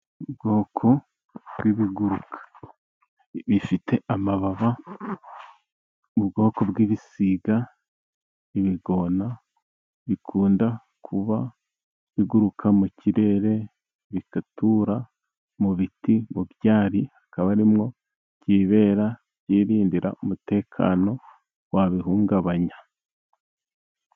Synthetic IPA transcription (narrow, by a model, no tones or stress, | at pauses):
ubɡo̞ːkʰo̞ | bɡiβiɡuɾukḁ | βifitʰe̞amaβaβa | uβɡo̞ːko̞bɡiβisiɡa | iβiɡo̞na | βikʰuːnda | kʰuβa | βiɡuɾukʰamuciɾe̞ɾe̞ | βikatuɾa | muβitimuβjaːɾihakaβaɾimŋo̞ | ciːβe̞ːɾa | jiːɾiːndiɾa̰umute̞ːkʰa̰ːno̞ | waβiɦuːŋɡaβaɲa